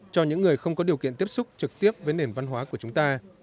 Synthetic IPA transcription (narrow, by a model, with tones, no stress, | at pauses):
t͡ɕɔ˧ɲɨ̰˧˥ŋːɨ˨˩əjxə˧wŋ͡mkɔ˨˦ɗi˨˩əkḭ˧˨ənt̪i˦˥əp̚sʊ˦˥k͡p̚t͡ɕɨ˨˩k̚t̪i˦˥əp̚vəː˨˦jne˨˩nva˧nɦwaː˨˦ku˧˩ət͡ɕʊ˨˦ŋ͡mt̪aː˧